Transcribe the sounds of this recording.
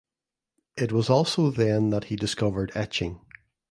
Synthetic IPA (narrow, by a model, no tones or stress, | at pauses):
ɪʔ̚wɔzɔlˠsoðə̃nðəʔhidɪskʌvə˞dɛt͡ʃɪ̃ŋ